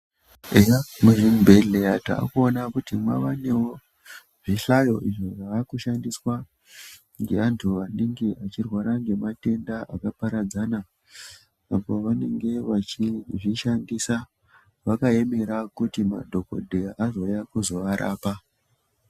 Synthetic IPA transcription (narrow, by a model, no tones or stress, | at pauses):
ejamuʒimbʱe̞ɮejata̰ːkuonakutimwaʋane̞wo̞ | ʐiɬajo̞ʔiʐoʐaʋakuʃandiswa | ŋɡe̞antʰuʋandiŋɡiat͡ʃirwaɾaŋɡe̞mate̞ndaʔakapaɾad͡zana | apo̞ʋane̞ŋɡe̞ʋat͡ʃiʐiʃandisa | ʋakae̞me̞ɾakutima̰dʱo̞ko̞̰dʱeʔazo̞jakuzo̞ʋaɾʔa̰ːpa